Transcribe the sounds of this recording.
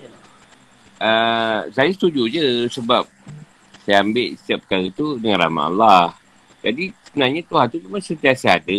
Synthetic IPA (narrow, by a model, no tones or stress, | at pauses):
ʔəsajasə̥t̪ud͡ʒud͡ʒəsəbap̚ | sajambɪlsiap̚kalit̪udəŋãnɾa̰ma̰ʔa̰lːah | d͡ʒadisəbənaɲat̪uɦant̪umimansənt̪iasaːdə